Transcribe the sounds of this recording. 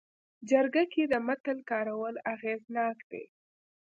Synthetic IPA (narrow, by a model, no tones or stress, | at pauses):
d͡ʒaɾɡaked̪əmat̪əlkɑɾawəlaɣeznɑkd̪̥ḛ